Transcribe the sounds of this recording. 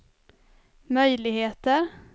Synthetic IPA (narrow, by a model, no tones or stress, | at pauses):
mœjlɪɡheːt̪əɾ